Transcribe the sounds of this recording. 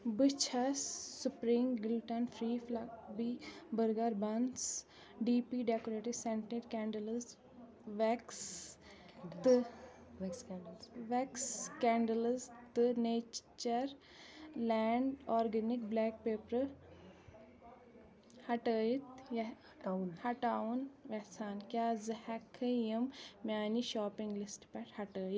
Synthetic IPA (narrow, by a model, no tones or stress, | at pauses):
bɨt͡ʃʰɐsːupɾiːmɡɪlʈɐnfʰɾiːflak̚bibəɾɡaɾbɐns | ɖiːpiɖekoɾeːʈisẽɳʈeʈkɛ̃ːɳɖələs | ʋɛks | t̪ | ʋɛkskɛ̃ːɳɖələst̪ɨneːt͡ʃt͡ʃɐɾ | lɛːɳɖɔːɾɡenik̚blɛːk̚peːpɾɐ | hɐʈəːjit̪jɐ | hɐʈaːunʋɛsaːnkʲaːzɨhɛkʰːəjɐmmʲaːniʃaːpĩŋɡlisʈpɛʈhɐʈəːit̪